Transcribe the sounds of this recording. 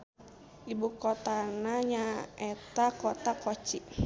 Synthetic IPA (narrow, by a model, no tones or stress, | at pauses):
ʔibukot̪anaɲaɛt̪akɔt̪akot͡ʃi